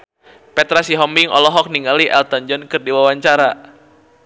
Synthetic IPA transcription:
pɛt̪ɾasiɦɔmbiŋʔɔ̰lɔɦɔk̚niŋɡaliʔɛlt̪ɔɲd͡ʒɔnkɨrdiwawaɲt͡ʃaɾa

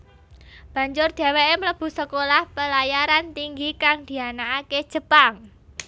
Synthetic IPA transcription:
b̥ä̤ɲd͡ʒʊrd̪̥a̤weʔemləb̥ṳsəkolahpəlajaɾant̪iŋɡikaŋd̪̥i̤anaʔːke̥ʒ̥ə̤paŋ

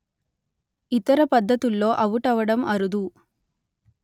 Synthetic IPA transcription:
it̪ɐɾɐpɐd̪ʱːɐt̪ulːo̞ːʔɐʋuʈɐʋɐɽɐmɐɾud̪u

